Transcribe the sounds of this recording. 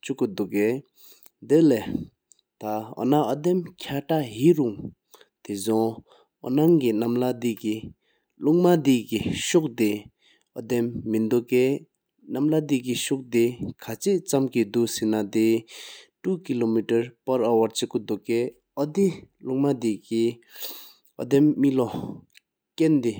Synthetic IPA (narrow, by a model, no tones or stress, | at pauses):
t͡ɕukːud̪uʔke | d̪elɛ | t̪aɔ̰naʔɔd̪emkʰaʈ͡ʂaʔɦiʔruŋ | t̪ezɔŋ | ʔɔ̰naŋkinamlad̪iʔki | luŋmad̪ikiɕuk̚t̪e | ʔɔd̪emːind̪uʔkeː | namlad̪ikiɕuk̚d̪ekʰat͡ɕʰeʔt͡samkid̪uʔsinad̪eʈ͡ʂuʔkilomitaɹpaɹawaɹt͡ɕekud̪oʔkɛː | ɔd̪iluŋmad̪iki | ʔɔ̰d̪emːilɔ | kend̪e